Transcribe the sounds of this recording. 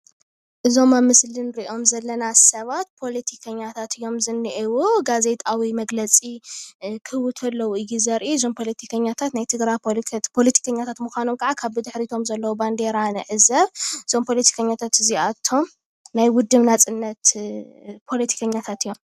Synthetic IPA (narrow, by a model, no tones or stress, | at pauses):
ʔɨzo̞mamɨslɨnɾiʔo̞mzɐlːɐnasɐβat̪̚pʰo̞let̪ʰikʰɐɲːat̪ʰat̪ɨjːo̞mzɨnːiʔiwuɡaze̞t̪ʼawimɐɡlɐt͡sʼikʰɨwʊt̪ʰɐlːɐwuɨjːizɐɾʔiɨzo̞mpʰo̞let̪ʰikʰɐɲːat̪ʰat̪najt̪ʰɨɡɾajpʰo̞lɐt̪ʰi̥kʰɐɲːat̪ʰat̪muxʷanomkʰʼaʕakʰaβɨd̪ɨħɾit̪ʰo̞mzɐlːɐwuband̪e̞ɾanɨʕɨzɐβɨz̥o̞mpʰo̞lɐt̪ʰi̥kʰɐɲːat̪ʰat̪ɨziat̪ʰːo̞m | najwʊd̪ːɨβnat͡sʼɨnːɐt̪ | pʰo̞lɐt̪ʰi̥kʰɐɲːat̪ʰat̪ɨjːo̞m